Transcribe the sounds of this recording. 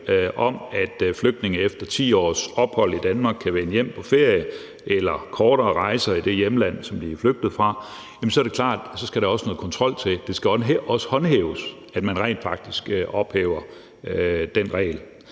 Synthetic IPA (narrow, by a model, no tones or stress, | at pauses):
ʔɒ̽mæd̥fløɡ̥̚d̥ne̝ŋ̩efd̥ɐt͡sʰḭːɒ̰ːsɒ̽b̥hɒ̽l̰id̥ænmɑ̈ːɡ̥̚kʰːæʋenəjem̰pʰɒ̽fe̝ɐ̰jə | ʔelɐkʰɒːɾ̥ɐːʁɑ̈ɪsɐid̥e̝jeməlæn̰sɒ̽mb̥iæfløɡ̥̚d̥ð̩ˠfʁɑ̈ | jemnsɒ̽ɐɾe̝kʰlɑ̰̈ːd̥sɒ̽sɡ̥æɾɑ̈ɒ̽sənɔːð̩ˠkʰɒ̽nt͡sʰʁɒ̽l̰t͡sʰe̝d̥e̝sɡ̥æɒ̽sə̥hɒ̽nhḛːʊs | æd̥mænʁɛ̰ɪnd̥fɑ̈ɡ̥̚d̥isɡ̥ʔɒ̽b̥heːʊɐ | d̥en̰ʁɛ̰ɪl